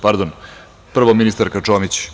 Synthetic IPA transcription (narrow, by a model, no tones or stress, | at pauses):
paɾd̪on | pr̩ʋominist̪aɾkat͡ʂomit͡ɕ